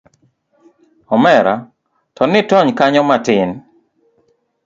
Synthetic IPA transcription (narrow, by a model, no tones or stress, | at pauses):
ɔmɛɾa̰ | tɔnɪtɔɲkaɲɔmatɪn